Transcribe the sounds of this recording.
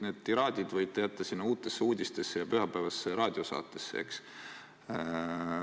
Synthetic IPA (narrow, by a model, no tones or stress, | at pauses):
neːd̪̥̚t̪iɾɑːd̪ʲid̪vɤjt̪ːejæt̪ˑːɑsinːɑuːt̪ːˑe̞sːeuːd̪ʲist̪e̞sːejɑpyɦɑpævɑsːeɾɑːd̪ʲio̞sɑ̰ːt̪ːˑe̞sːḛḛks